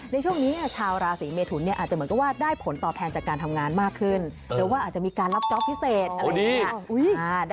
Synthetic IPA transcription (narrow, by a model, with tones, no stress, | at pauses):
na˧jt͡ɕʰu˥˩əŋniː˦˥ni˥˩ɐt͡ɕʰaː˧wɾaː˧siː˩˦meː˧t̪ʰu˨˩ni˥˩ɐʔaː˨˩t͡ɕmɯ˩˦ka˧˩waː˥˩daː˥˩jpʰo˩˦nt̪ɔː˨˩p̚t̪ʰɛː˧t͡ɕaː˨˩kːaː˧nt̪ʰa˧mŋaː˧nmaː˥˩kʰːɯ˥˩n | ɾɛː˦waː˥˩ʔaː˨˩t̚t͡ɕa˨˩miː˧kaː˧nla˦˥p̚t͡ɕɔ˦˥p̚ʰːi˦˥seː˨˩t̪̚a˧˨˦